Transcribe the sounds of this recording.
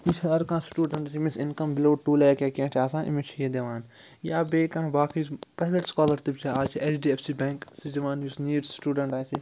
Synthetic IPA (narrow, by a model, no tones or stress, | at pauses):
isɐɐɾkãːsʈuːɖɐ̃ɳʈt͡ʃʰimisɪnkɐmbɪloːʈuːlɐːkakẽːʈʰaːsãːʔḭmit͡ʃʰijed̪eʋaːn | jaːbeːkãːbaːkipɾaːɪʋeʈskaːlɐɾt̪ipt͡ʃʰaaːt͡ʃʰiʔɛsɖiːɛfsibɛ̃ːŋksid͡ʒɐʋaːnjusniːʈsʈuːɖɐɳʈaːt͡ʃʰi